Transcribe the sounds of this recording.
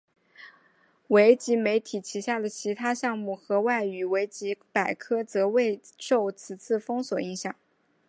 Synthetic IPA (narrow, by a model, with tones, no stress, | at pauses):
we˧˥ɪt͡ɕi˧˥me˧˥ɪt̪ʰi˨˩t͡ɕʰi˧˥ɕja˥˩d̪ə˩t͡ɕʰi˧˥t̪ʰa˥ɕjɑ˥˧ŋmu˥˩xɤ˧˥wa˥˩ɪy˧˥we˧˥ɪt͡ɕi˧˥pa˨˩ɪkʰɤ˥t͡sɤ˧˥we˥˧ɪʂo˥˩ʊt͡sʰɹ̩˨˩t͡sʰɹ̩˥˩fɤ˥ŋswɔ˨˩i˥˧˥ŋɕjɑ˨˩˦ŋ